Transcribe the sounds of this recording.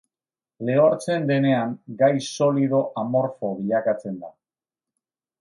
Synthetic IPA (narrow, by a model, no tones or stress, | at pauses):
le̞oɾt͡se̞nd̪e̞ne̞aŋɡajso̞liðo̞ʔamo̞ɾfo̞βiʎakat͡se̞nd̪a